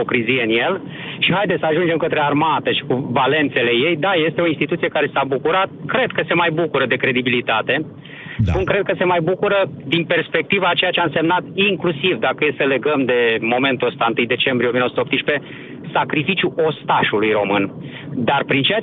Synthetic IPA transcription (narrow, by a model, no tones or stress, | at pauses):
okɾizijeɨnje̞l | ʃiɦajd̪esəaʒund͡ʒe̞mkət̪ɾe̞armat̪əʃi̥kuvale̞nt̪se̞le̞je̞jd̪aje̞st̪e̞o̞inst̪it̪ut̪sije̞kaɾe̞sabukuɾat̪̚kɾe̞d̪̚kəse̞majbukuɾəd̪e̞kɾe̞d̪ibilit̪at̪e̞ | spunkɾe̞d̪̚kəse̞majbukuɾəd̪inpe̞rspe̞k̚t̪ivat͡ʃe̞jat͡ʃe̞aɨnse̞mnat̪iŋklusivd̪akəjesəle̞ɡəmd̪e̞mo̞me̞nt̪uəst̪aɨnt̪ɨjd̪e̞t͡ʃe̞mbɾieomiənosuop̚t̪iʃpe̞ | sakɾifit͡ʃjuʔo̞st̪aʃulujro̞mɨn | d̪arpɾint͡ʃeja